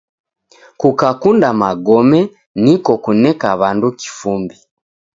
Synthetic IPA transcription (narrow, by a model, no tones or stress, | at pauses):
kukakundamaɡɔmɛ | nikɔkunɛkaβanduki̥fumbi